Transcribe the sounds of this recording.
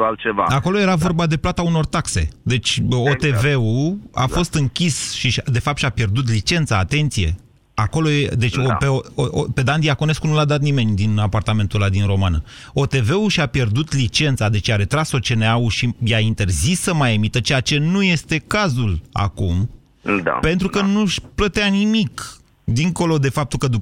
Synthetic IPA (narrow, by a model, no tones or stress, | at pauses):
alt͡ʃeva̰ako̞lo̞je̞ɾavo̞rbad̪e̞plat̪auno̞rt̪akse̞̰d̪e̞t͡ʃʲot̪e̞ve̞ua̰ffo̞st̪ɨŋkʲisʃid̪e̞fap̚t̪ʃiapje̞rd̪ut̪̬lit͡ʃe̞nt̪saːt̪e̞nt̪sije̞̰ | ako̞lo̞jed̪e̞t͡ʃopeope̞d̪and̪ijakone̞skunulad̪at̪nime̞nʲd̪inapart̪ame̞nt̪ulad̪inro̞manə | o̞t̪e̞ve̞uʃiapje̞rd̪ut̪lit͡ʃe̞nt̪sad̪e̞t͡ʃjaɾe̞t̪ɾaso̞t͡ʃe̞neauʃijaint̪e̞rzisːəmajemit̪ət͡ʃejat͡ʃe̞nuje̞st̪e̞kazula̰kum | d̪a̰pe̞nt̪ɾukənuʃplət̪eanimik | d̪iŋko̞lo̞d̪e̞fap̚t̪ukəd̪u